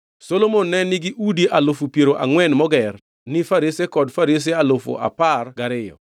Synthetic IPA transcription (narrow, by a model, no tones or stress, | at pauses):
solomonːɛnɪɡɪʔudiʔalofupjeɾoʔa̰ŋwɛnmɔɡɛr | nɪfaɾisekɔdfaɾis̬ealofo̰ʔa̰parɡaɾɪjɔ̰